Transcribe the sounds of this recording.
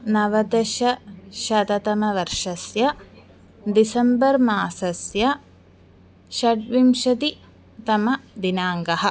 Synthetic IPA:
nɐʋɐd̪ɐʃɐʃɐt̪ɐt̪ɐmɐʋɐɾʂɐsjɐ | d̪isɐmbɐɾmaːsɐsjɐ | ʃɐʈʋimʃɐt̪i | t̪ɐmɐd̪inaːŋɡɐɦɐ̆

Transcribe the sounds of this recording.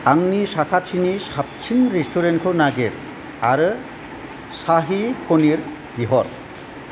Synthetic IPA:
aŋnisakʰat̚sʰinisap̚sʰinɾistʰuɾenkʰɔnaɡeɾ | aɾɯ | saɦikʰoniɾ | biɦɔɾ

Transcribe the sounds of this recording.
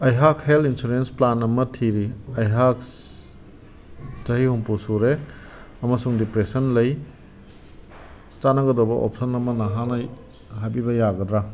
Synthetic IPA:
ɐjɦakhelinsuɾensplanɐmɐtʰiɾiɐjɦak̚ | zɐhihuŋpusuɾe | ɐmɐsuŋdipɾesɐnlɐj | tanɐɡɐdobɐ̰ʔo̰psɐnɐmɐnɐɦana | ɦabibɐjaɡɐdɾa

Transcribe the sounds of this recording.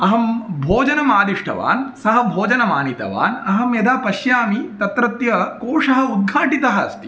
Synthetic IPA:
ɐɦɐmbʱoːd͡ʒɐnɐmaːd̪iʂʈʰɐ̰ʋa̰ːnsɐɦɐ̆bʱoːd͡ʒɐnɐmaːnit̪ɐ̰ʋa̰ːnɐɦɐmjɐd̪aːpɐʃjaːmit̪ɐt̪ɾɐt̪jɐkoːʂɐɦɐ̆ud̪̚ɡʱaːʈit̪ɐɦɐɐst̪i̥

